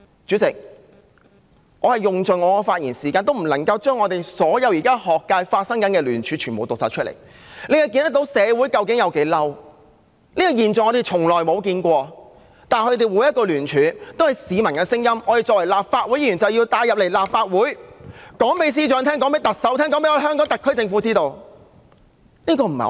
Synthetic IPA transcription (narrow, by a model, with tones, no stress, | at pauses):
t͡ʃyː˨˥sɪ˨k̚ | ŋʔɔː˨˧hɐ˨jjʊ˨ŋt͡sɵ˨˩ŋɔː˨˧kɔ˧faː˧t̚jiː˨˩nsiː˨˩kaː˧nt̪o˥wm̩˨˩lɐ˨˩ŋkɐ˧wt͡ʃœː˥ŋɔː˨˧t̪e˨jsɔː˨˥jɐ˨˧wjiː˨˩kaː˥hɔː˨kːaː˧jfaː˧t̚sɐ˥ŋkɐ˨˥nkɛː˧lyː˨˩nt͡ʃʰyː˨˧t͡ʃʰyː˨˩nmo˨wt̪ʊ˨ksaː˨t͡ʃʰɵ˥t̚lḛ˨˩j | ne˨˧jhɐ˨˩wki˧nt̪ɐ˥k̚t̪o˨˥wsɛː˨˧wu˨˥jkɐ˧wkɪ˨˥ŋjɐ˨˧wke˨˥jlɐ˥w | liː˥kɔ˧jiː˨nt͡sːŋɔː˨˧t̪e˨˩t͡sʰʊ˨˩ŋlɔː˨jmo˨˧wkiː˧nkʷɔː˧ | t̪aː˨˩nhɵ˧ɥt̪̬e˨wuː˨˥jɐ˥t̚kːɔː˧lyː˨˩nt͡ʃʰyː˨˥t̪o˥whɐ˨jsiː˨˧mɐ˨˩nkɛː˧sɪ˥ŋjɐ˥mɔː˧te˨jt͡sɔː˨k̚wɐ˨˩jlaː˨p̚faː˧t̚wu˨˥ji˨˩jyː˨˩nt͡sɐ˨wjiː˧wt̪aː˨˧jɐ˨p̚le˨˩jlaː˨p̚faː˧t̚wuː˨˥jkɔː˨˥ŋpe˨˧js̬iː˥t͡ʃœː˧ŋt̪ʰɛː˥ŋkɔː˨˥ŋme˨˧jt̪ɐ˨k̚sɐ˨˥wt̪ʰɛː˥ŋkɔː˨˥ŋpe˧˥jɔː˧˥˨hœː˥ŋkɔː˨˥ŋt̪ɐ˨kʰːɵ˥t͡sɪ˧ŋfuː˨˥t͡siː˥t̪o˧w | niː˥kɔː˧m̩˨˩ɐ̰˨˩